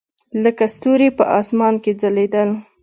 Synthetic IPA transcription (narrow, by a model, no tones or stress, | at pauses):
ləkast̪uɾepə̰ʔɑsmɑnked͡zaled̪əl